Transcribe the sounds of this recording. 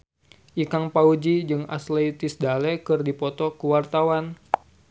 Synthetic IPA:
ʔikaŋpaud͡ʒid͡ʒɨŋa̰sleit̪ɪsdalɛkɨrdipɔt̪ɔkuwart̪awan

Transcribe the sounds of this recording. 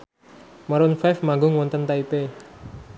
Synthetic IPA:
maɾʊnfafmaɡʊŋwɔnt̪ənt̪aipe

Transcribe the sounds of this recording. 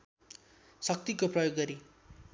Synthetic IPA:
sʌk̚t̪ikoprʌjoɡːʌɾi

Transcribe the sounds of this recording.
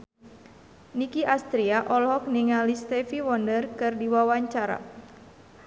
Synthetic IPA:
nikiʔast̪ɾiaʔɔlhɔk̚niŋalist̪ɛfiwɔndərkɨrdiwawaɲt͡ʃaɾa̰

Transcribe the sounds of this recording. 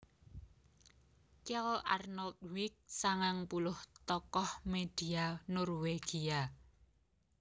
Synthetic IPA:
kɛlarnɔlt̪̚wik̚saŋaŋpulʊht̪ɔkɔhmed̥ianɔrweɡ̥ia

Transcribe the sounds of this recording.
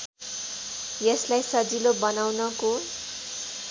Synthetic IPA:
jeslajsʌd͡zilobʌnawnʌko

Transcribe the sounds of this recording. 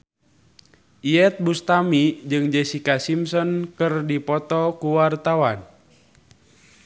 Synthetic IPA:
iɛt̪̚bust̪amid͡ʒɨŋd͡ʒɛsikasimsɔnkɨrdipɔt̪ɔkuwart̪awan

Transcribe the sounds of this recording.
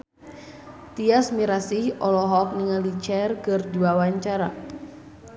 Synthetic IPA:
t̪iasmiɾasihɔlɔɦɔk̚niŋalit͡ʃɛrkɨrduwawaɲt͡ʃaɾa

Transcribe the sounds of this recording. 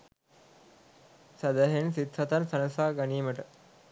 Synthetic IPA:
sæd̪æɦensit̪hɐt̪ansanəsaːɡaniːməʈə

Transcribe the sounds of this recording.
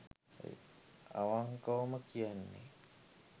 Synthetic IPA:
a̰waŋkawməkianːḭ

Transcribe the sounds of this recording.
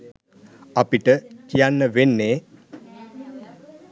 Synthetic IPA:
apiʈəkijanːəʋenːeː

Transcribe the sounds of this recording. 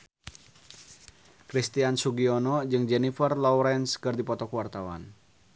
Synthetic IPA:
kɾist̪iansuɡiɔnɔd͡ʒɨŋd͡ʒɛnifərlɔuɾɛnskɨrdipɔt̪ɔkuwart̪awa̰n

